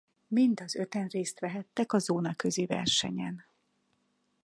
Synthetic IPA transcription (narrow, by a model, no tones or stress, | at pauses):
mind̪ɒzø̞t̪ɛnreːst̪ʋɛɦɛt̪ːɛkɒzoːnɒkøzivɛ̰rʃɛɲɛn